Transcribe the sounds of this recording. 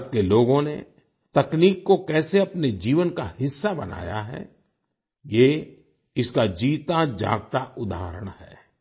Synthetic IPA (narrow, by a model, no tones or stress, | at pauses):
t̪keloːɡõnḛ | t̪ɐkniːkːokɛːseɐpned͡ʒiːʋənkahɪsːabɐna̰ːja̰ɦɛ̰ | je | ɪskad͡ʒiːt̪ad͡ʒa̰ːɡt̪aʊd̪a̰ːɾəɽ̃hɛ̰ː